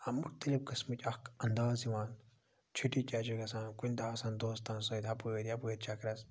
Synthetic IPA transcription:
ɐmuɾt̪ɐlib̚kɨsmɨtʲɐkɐnd̪aːziʋaːn | t͡ʃʰuʈit͡ʃʲad͡ʒuɡɐsãːnkunʲd̪aːsɐ̃ːnd̪oːst̪ɐ̃ːnsõːt̪ʲɐpəːɾʲjɐpəːɾʲt͡ʃʰɐkɾɐs

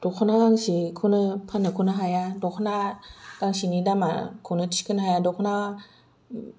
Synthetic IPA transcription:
d̥okʰɯnaɡaŋɕikʰonɯpʰanɯkʰonɯɦajadokʰonaɡaŋɕinidama̰kʰonɯti̥kɯnɯɦajadokʰona

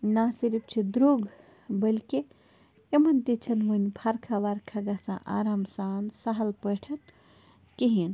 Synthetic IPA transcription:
nasiɾip̚t͡ʃʰid̪ɾoɡ | bəlki | emɐnd̪it͡ʃʰɐnʋunʲbʰʱaɾkʰaʋaɾkʰaɡasã̰ʔa̰ɾamsaːnsaɦɐlpəʈʰɐn | keɦin

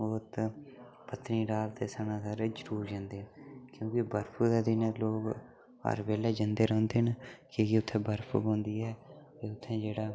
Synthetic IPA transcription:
oːt̪ | pət̪niːɾaːlt̪eːsənãːsaːɾed͡ʒəɾuːɾd͡ʒãːnd̪eːkjõːkɪbəɾpʰuːd̪ːd̪iːneloːɡ | ə̰ɾʋeːlɛːd͡ʒə̃nd̪eːɾɔ̃õːnd̪eːɦnkekɪʊt̪ʰːẽːbəɾpʰṵːbõːnd̪iːɛː | eʊt̪ʰːẽːd͡ʒeːɽaː

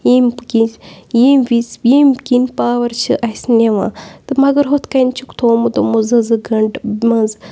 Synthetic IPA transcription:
jimbɡijimʋisjimkinpaːwɐɾt͡ʃʰɨ̰ʔɐjsneʋã̰ːt̪ɨmɐɡɐɾɦot̪ʰkɐjnt͡ʃʰukt̪ʰoːmud̪omuzɐzɨɡɐɳɖmɐz

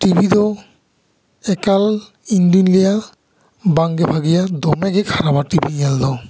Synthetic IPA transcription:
tibʱidɔ | ɛkal | ind̪unilija | baŋɡɛbʱaɡijad̪ɔmɛɡɛkʰaɾabatibʱijɛldɔ

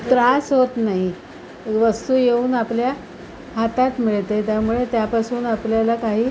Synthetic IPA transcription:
t̪ɾasɦot̪naɦi | ʋəst̪uːjeuːnaplja | hat̪at̪miɭt̪et̪jamuɭet̪japasuːnapljalakaɦiː

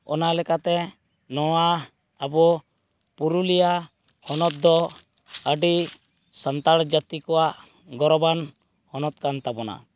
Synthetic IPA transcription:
ɔ̰nalɛkat̪ɛ | nɔwaː | bɔ | puɾulija | hɔnɔt̪̚d̪ɔ | əɖi | sant̪aɽd͡ʒat̪ikɔwaʔ | ɡɔɾɔban | hɔnɔt̪̚kant̪abɔna̰

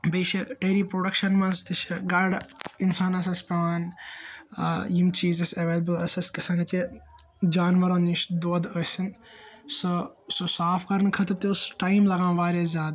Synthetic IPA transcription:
beːʃɐʈeːɾiːpɾoːɖɐkʃɐnmɐ̃nzt̪iʃɐɡɐɾɖɪnsaːnɐsɐspʲaʋaːn | jimt͡ʃiːzɐsɐʋeːlɐbəlɐsɐskɐsaːnɐt͡ʃe | d͡ʒaːnʋɐɾoːniʃd̪oːd̪əsinsososaːfkɐɾnkʰɐt̪ɾt̪eʊsʈaːimlɐɡãːʋaːɾeːzʲjaːd̪

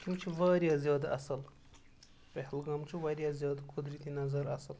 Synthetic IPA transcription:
kʲumt͡ʃʰiʋaːɾjaːzijoːd̪aɐsɐl | pehlɡɐmt͡ʃʰiʋɐɾjaːzijoːd̪akʰod̪ɾit̪inɐzɐɾɐsəl

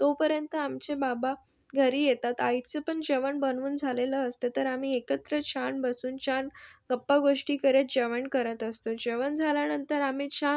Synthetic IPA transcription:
t̪opəɾjənt̪əamt͡sebaba | ɡʱəɾiːjet̪at̪ajt͡səpəɳd͡ʑəʋəɳbənʋuːnd͡zʱaleləːst̪ət̪əɾam̤iːekət̪ɾət͡ɕʰanbəsuːnt͡ɕʰanɡəpːaɡoʂʈiːkəɾet̪̚d͡ʑəʋəɳkəɾət̪əst̪od͡ʑəʋənd͡zʱaljanənt̪əɾam̤it͡ɕʰa

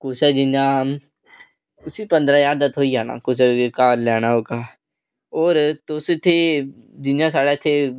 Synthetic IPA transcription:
kʊsɛːd͡ʒɪnd͡ʒãː | ʊsiːpə̃nd̪ɾaːjaːɾd̪ət̪ʰoːiːaːna̰ːkʊs̬ɛekaːɾlɛːñaːɦoːɡaː | oːɾt̪osɪt̪ʰːeːd͡ʒɪnd͡ʒãːsaːɽaɪt̪ʰːeː

